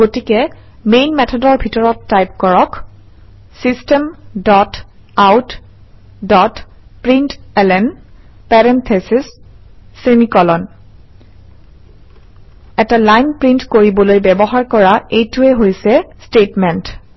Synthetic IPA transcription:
ɡotikɛ | mejnmɛtʰɔdɔɹbʱitɔɹɔtːajp̚kɔɹɔk | sistɛmdɔtawt | dɔt | pɹintɛlɛn | pɛɹɛntʰesisː | enikɔlɔn | ɛtalajnpɹintkoɹibɔlojbɛbɔɦaɹkɔɹaejtʊɛɦojsɛstetmɛnt

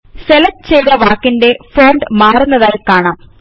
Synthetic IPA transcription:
selɐk̚ːt͡ɕejðɐʋaːkːinde̞foːɳɖɨmaːrunːɐðaːjkaːɳaːm

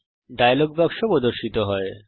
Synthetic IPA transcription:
ɖajaloɡ̚bɛkʃopod̪oɾʃit̪oɦɔe

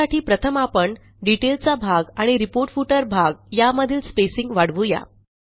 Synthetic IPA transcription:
aʈʰiːpɾət̪ʰəmapəɳ | ɖiʈelt͡sabʱaɡaɽ̃iɾipoɾʈfuʈəɾbʱaɡjaməd̪ʱiːlspesiŋɡʋaɽʋuja̰

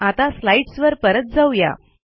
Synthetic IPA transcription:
at̪aslaiʈsʋəɾpəɾət̪̚d͡zawja̰

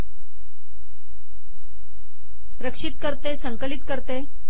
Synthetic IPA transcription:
pɾəkʂit̪̚kəɾt̪esəŋkəlit̪kəɾt̪e

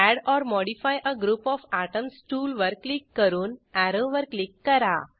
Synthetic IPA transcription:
æɽɔɾmɔɽifajʔəɡɾuːpɔfaʈəmsʈuːlʋəɾkːlikːəɾuːnæɾəʋəɾklikːəɾa̰

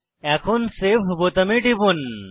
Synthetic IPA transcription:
ɛkʰonsebʱbot̪əmeʈibun

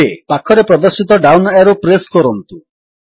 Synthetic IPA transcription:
epakʰːɔɾepɾɔd̪ɔɾsit̪ɔɖawnɔeɾopɾeskɔɾɔnt̪u

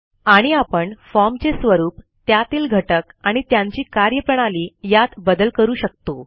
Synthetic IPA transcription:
aɽ̃iapəɳfɔɾmt͡ɕesʋəɾuːp | t̪jat̪iːlɡʱəʈəkaɽ̃it̪jãɲt͡ɕiːkaɾjəpəɽ̃aliːjat̪bəd̪əlkəɾuːɕək̚t̪o

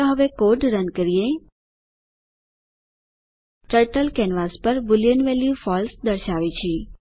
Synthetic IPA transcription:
oɦəʋekoʈɾənkəɾie | ʈəɾʈəlkɛnʋaspəɾbulijənʋeljufɔlsd̪əɾʃaʋit͡ʃʰi

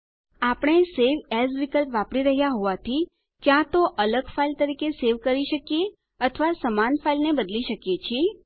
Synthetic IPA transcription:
apəɳ̃eseʋɛsʋikəlpʋapɽiɾəɦjaɦoʋat̪ʰi | kjãt̪oʔələɡfailt̪əɾikeseʋkəɾiʃəkije | ət̪ʰəʋasəmanfailnebəd̪liʃəkjet͡ʃʰie

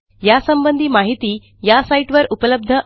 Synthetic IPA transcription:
jasəmbənd̪ʱiːmaɦit̪iː | jasaiʈʋəɾupələb̚d̪ʱə

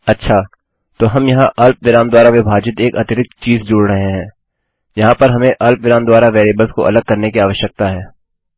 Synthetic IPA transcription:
ɐtːʃʰaː | t̪oːɦɐmjɐɦãʔɐlp̚ʋɪɾãːmd̪waːɾaʋɪbʱaːd͡ʒɪt̪eːkɐt̪ɪt̪ɪkt͡ʃiːzd͡ʒoːɽɾɐɦeɦɛ̃ː | jɐɦãpɐɾɦɐmẽʔɐlpʋɪɾaːmd̪waːɾaʋeːɾeːbəlsko̰ʔɐ̰ləɡ̚kɐɾnekiaːʋəʃjək̚t̪aɦɛː

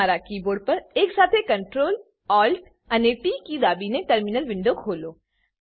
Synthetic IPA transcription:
aɾakiːboːɖ̚pɐɾeːksaːt̪ʰekə̃ɳʈɾoːl | ɔːlʈ | əneʈiːkid̪aːbineʈəɾmɪnəlʋɪ̃ɳɖokʰoːloː

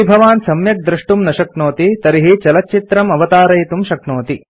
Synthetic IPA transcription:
ibʱɐʋaːnsɐmjɐk̚d̪ɾiʂʈumnɐʃɐknoːt̪it̪ɐɾiɦit͡ʃɐlɐtːt͡ʃit̪ɾɐmɐʋɐt̪aːɾɐjt̪umʃɐknoːt̪i

